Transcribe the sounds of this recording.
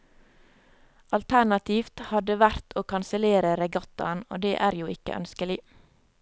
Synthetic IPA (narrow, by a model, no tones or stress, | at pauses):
ʔɑlt̪ʰæɳɑt̪ʰiːft̪hɑd̪əʋæɾt̪ʰoːkʰɑnsəleːɾəɾɛɡɑt̪ɑno̰ːd̪eːʔæːɾjuːɪkə̰ʔœ̰nskəlɪ